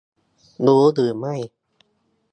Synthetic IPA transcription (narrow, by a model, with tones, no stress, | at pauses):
duː˨˦dɯː˨˩ma˥˩j